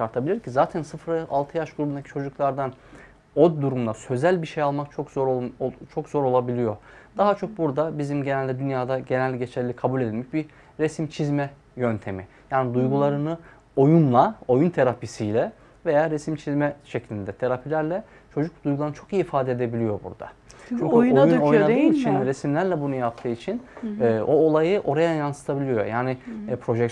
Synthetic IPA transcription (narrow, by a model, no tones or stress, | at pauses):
ʃaɾt̪ʰabilʲiɾcʰizaːt̪ʰænsɯfɾalˠt̪ʰɯjaʃɡuɾubund̪acʰi̥t͡ʃʰo̞d͡ʒuklˠaɾd̪an | o̞d̪d̪uɾumd̪asø̞zælʲbiʃejalˠmakt͡ʃʰokoɾt͡ʃʰo̞kz̥o̞ɾo̞lˠabilʲijo̞ɾd̪̥aɦat͡ʃʰo̞k̚buɾd̪abizimɟe̞nælʲd̪ɛd̪ynjaːd̪aɟenælʲːiɟe̞t͡ʃʰɛlʲːikʰabulʲe̞d̪ilʲmɛc̚bi | ɾesimt͡ʃʰizmɛ | jønt̪ʰe̞mḭ | jaːnid̪ujɡulˠaɾɯnɯ | o̞junlˠao̞junt̪ʰe̞ɾapisijlʲɛ | ve̞jaːɾesimt͡ʃʰizmɛʃeclʲind̪ɛt̪ʰe̞ɾapʰilʲæɾlʲɛ | t͡ʃʰo̞d͡ʒukd̪ujɡulˠaɾnt͡ʃʰo̞kijːifaːd̪ɛed̪e̞bilʲijo̞bṵɾd̪a̰t͡ʃʰyɲnjuojnadɯɯːit͡ʃʰinɾesimlʲæɾlʲɛbunujap̚t̪ʰɯːit͡ʃʰinːoːlˠajɯʔo̞ɾajajansɯ̥t̪ʰabilʲijo̞̰jaːnɪpʰɾo̞ʒɛk